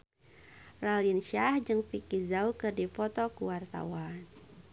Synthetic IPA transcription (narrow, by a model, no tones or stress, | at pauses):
ralinʃahd͡ʒɨŋfikizaukɨrdifɔt̪ɔkuwart̪a̰wan